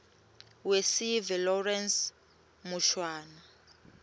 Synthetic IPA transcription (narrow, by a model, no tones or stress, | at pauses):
wesivɛlɔrɛns | muʃwaːna